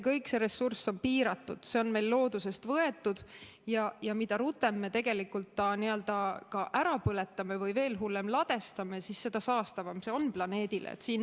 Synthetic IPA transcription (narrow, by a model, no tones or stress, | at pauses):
ekɤjkse̞ɾe̞sːurso̞npiːɾɑt̪ːˑṵd̪̥se̞o̞nme̞jlːo̞ːd̪use̞st̪vɤe̞t̪ːˑud̪̥ | jɑjɑmid̪̥ɑɾut̪ːˑe̞mːe̞t̪e̞ɡ̥elikːˑult̪ːɑniø̞ld̪̥ɑkɑʔæɾɑpɤle̞t̪ːˑɑme̞vɤjve̞ːlɦulːe̞mlɑd̪̥e̞st̪ɑmesisːe̞d̪̥ɑsɑːst̪ɑvɑmse̞onplɑne̞ːd̪̥ilḛḛt̪siːn